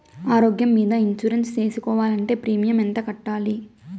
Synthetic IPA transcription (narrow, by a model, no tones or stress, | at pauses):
aːɾoːɡjɐmːiːd̪ɐiɲt͡ʃuɾenst͡ʃe̞ːsukɔːʋaːlɐɳʈe̞ːpɾiːmijɐmɛnt̪ɐkɐʈːaːli